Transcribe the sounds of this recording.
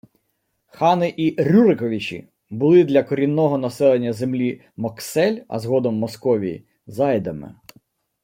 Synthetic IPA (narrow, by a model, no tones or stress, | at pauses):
xɑnɪʔiɾʲuɾɪkɔʋʲit͡ʃʲḭ | bʊlˠɪd̪lʲɐkɔɾʲinːɔɦɔnɐsɛlˠenʲːɐzemlʲi | mɔksɛlʲɐ̰zɦɔd̪ɔmːɔskɔʋʲij̰ | zɑjd̪ɐmɪ̰